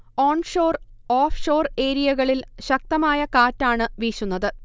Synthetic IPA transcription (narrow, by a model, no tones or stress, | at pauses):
oːɳʂo̞ːr | oːfʂo̞ːre̞ːɾijɐɣɐɭilɕɐk̚t̪ɐmaːjɐkaːtːaːɳɨʋiːɕunːɐðɨ